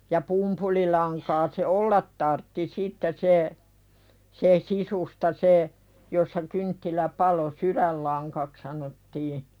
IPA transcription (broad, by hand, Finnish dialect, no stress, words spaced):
jɑ pumpulilɑŋkɑː se ʔolːɑt tɑrtːi sitːe se se sisustɑ se josːɑ kyntːilæ pɑlo suɾælːɑŋkɑk sɑnotːiː